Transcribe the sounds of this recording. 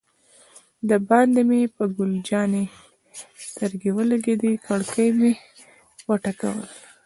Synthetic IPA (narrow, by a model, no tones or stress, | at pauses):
d̪əbɑnd̪emepəɡʊld͡ʒɑne | st̪əɾɡewəlaɡed̪ikaɽkəjme | wəʈaka̰wə̰l